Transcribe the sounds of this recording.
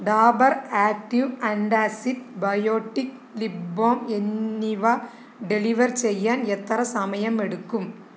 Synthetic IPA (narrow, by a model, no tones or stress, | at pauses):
ɖaːbɐɾaːk̚ʈiʋɐɳɖaːsiɖbɐjoːʈːik | liboːmenːiʋɐ | ɖɛliʋɐɾsɛjːaːnɛt̪ːɐɾɐsɐmɐjɐmɛɽɯkːɯm